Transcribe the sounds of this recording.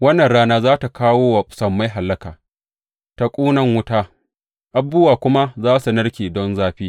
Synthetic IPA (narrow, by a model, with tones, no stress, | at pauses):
wɐ˦nːɐ˨nɽaː˦naː˦zaː˦ta˨kaː˦woː˦wa˨pʼʊ̥˨˦sɐ˨mːa˦jɦa˨lːɐ˦kaː˨ | ta˦kʷʼuː˦nɐ˦ŋwʊ˦ta˦ | ʔa˨bːʊ˦waː˨kʷʊ˦ma˦zaː˦su˨nɐ˦ɽkʲiː˨dɔ˦nzaː˦ɸiː˦